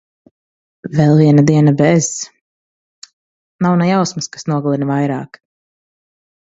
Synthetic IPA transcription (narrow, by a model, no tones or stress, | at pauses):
vɛlˠviɛnad̪iɛnabɛz̥ | nawnɛjawsmɨskḁsnuɔɡlˠinvajɾaːk